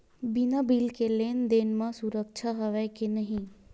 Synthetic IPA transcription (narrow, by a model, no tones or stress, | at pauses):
binabiːlkeleːnd̪eːnmãsʊɾəkʃʰaɦɐʋɛkenɐɦĩ